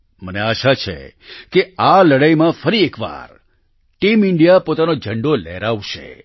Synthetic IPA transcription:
məneaʃat͡ʃʰḛkealəɽajmãfəɾiekʋa̰ɾ | ʈimɪɳɖijapot̪anod͡ʒʱəɳɖolḛɾaʋʃḛ

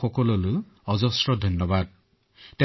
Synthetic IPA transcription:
ɔkɔlɔlu | ɔzɔsɾɔd̪ʱɔnjɔbad̪̚ | t̪e

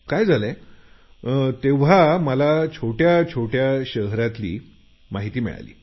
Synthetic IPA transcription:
kajd͡zʱala | t̪eʋ̤aməlat͡ɕʰoʈjat͡ɕʰoʈjaɕəɦɾat̪lḭː | maɦit̪iːmḭɭa̰lḭː

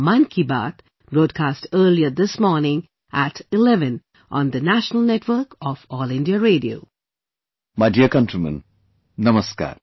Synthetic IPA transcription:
mãnkʰiba̰ːt̪ | b̥ɾoːɖ̚kʰaːsʈəːliəd̪ɪsmɔːɾnɪ̃ŋ | ʔæʈɪlɛʋɨ̃n | ʔɔ̃nd̪ənæʃənəlˠnɛʈʋəɾkɔfɔlɪ̃ndiəɾeːɖio̰ː | maɪɖiəkɐ̃nʈɾimə̰̃n | nʌməska̰ːɾ

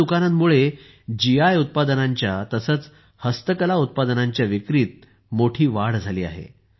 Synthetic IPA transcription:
ukanat̪muɭe | d͡ʑijajut̪̚pad̪ənaɲt͡ɕjat̪əsəːt͡s | həst̪əkəlaut̪̚pad̪ənaɲt͡ɕjaʋikɾiːt̪̚ | moʈʰiːʋaɽd͡zʱaliːa̰ɦḛ

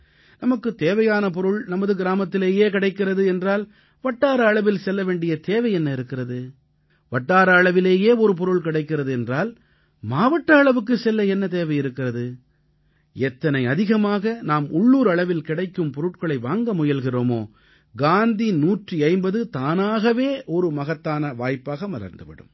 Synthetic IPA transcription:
nɐmɐkːɯt̪eːʋɐjaːnɐp̬ɔɾɯɭnɐmɐðɯɡɪɾaːmɐt̪ːɪleːjeːkɪɽɐɪkːɪrɐðɯɛndraːl | ʋɐʈːaːɾɐɐɭɐʋɪlsɛlːɐʋeːɳɖɪjɐt̪eːʋɐɪɛnːɐɪɾɯkːɪrɐðɯ | ʋɐʈːaːɾɐːɭɐʋɪleːjeːɔɾɯp̬ɔɾɯɭkɪɽɐɪkːɪrɐðɯɛndraːl | maːʋɐʈːɐɐɭɐʋɯk̬ːɯsɛlːɐɛnːɐt̪eːʋɐɪjɪɾɯkːɪrɐðɯ | ɛt̪ːɐnɐɪɐðɪɣɐmaːɣɐnaːmʊɭːuːɾɐɭɐʋɪlkɪɽɐɪkːɯmpɔɾɯʈ̚kɐɭɐɪʋaːŋɡɐmʊjɐlɣɪroːmo̰ː | ɡaːnd̪inuːʈriɐɪmbɐðɯt̪aːnaːɣɐʋeːʔɔɾɯmɐɣɐt̪ːaːnɐʋaːjpːaːɣɐmɐlɐ̰ɾnd̪ɯʋɪ̰ɽɯ̰m

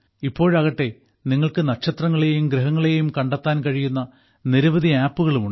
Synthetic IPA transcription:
ipːo̞ːɻɐɣɐʈːe̞ | niŋːɐɭkɨnɐkɕɐt̪rɐŋːɐɭe̞jumɡɾɨɦɐŋːɐɭejumkɐɳɖɐt̪ːaːnkɐɻijunːɐ | niɾɐʋɐðʱiaːpːuɣɐɭumuɳɖɨ

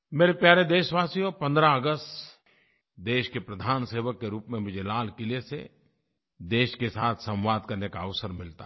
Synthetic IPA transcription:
meːɾepjaːɾed̪eːʃʋaːsijopɐ̃nd̪ɾaɐɡəst̪ | d̪eːʃkepɾɐd̪ʱaːnseːʋəkːeɾuːpmẽmʊd͡ʒʱelaːlkɪlesḛ | d̪eːʃkesaːt̪ʰsɐ̃mʋaːd̪kɐɾnekaɐʋsəɾmɪlt̪a

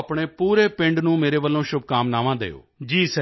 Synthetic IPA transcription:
pɳeːpuːɾeːpɪ̃ɳɖnũːmeːɾeːʋəlːõːʃʊb̚kaːmnaːʋãːd̪ḛːo̰ːd͡ʒiːsɛ

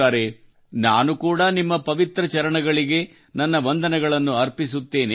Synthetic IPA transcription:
aːɾe̞ | naːnukuːɽɐnimːɐpɐʋit̪ɾɐt͡ʃɐɾɐɳɐɡɐɭiɡe̞ | nɐnːɐʋɐnd̪ɐnɐɡɐɭɐnːuɐɾpisut̪ːe̞ːne

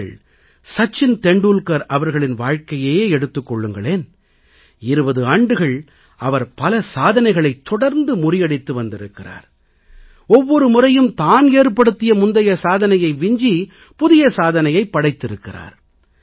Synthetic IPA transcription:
ɐɭ | sɐt͡ʃːɪnt̪ɛɳɖuːlkɐɾʔɐʋɐɾɣɐɭɪnʋaːɻkɐjeːjeːɛɽɯt̪ːɯkːɔɭːɯŋɡɐɭeːn | ɪɾɯbɐðɯaːɳɖɯɣɐɭ | ɐʋɐɾpɐlɐsaːðɐnɐɪɣɐɭɐɪt̪ːɔɽɐɾnd̪ɯmʊrɪjɐɽɪt̪ːɯʋɐnd̪ɪɾɯkːɪra̰ːɾ | ɔʋːɔɾɯmʊrɐjɯmt̪aːneːɾpːɐɽɯt̪ːɪjɐmʊnd̪ɐjɐsaːðɐnɐjɐɪʋɪɲd͡ʒi | pʊðɪjɐsaːðɐnɐjɐɪpːɐɽɐɪt̪ːɪɾɯkːɪra̰ːɾ

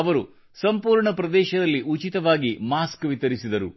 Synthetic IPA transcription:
ɐʋɐɾu | sɐmpuːɾɳɐpɾɐd̪ɛːʃɐd̪ɐlːiʔut͡ʃit̪ɐʋaːɡimaːskʋit̪ɐɾisid̪ɐɾṵ

